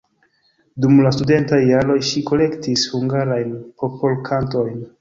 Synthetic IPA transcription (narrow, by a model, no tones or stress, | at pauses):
dumlastude̞ntajːaɾo̞jʃiko̞le̞ktishuŋɡaɾajnpo̞polkʰanto̞jn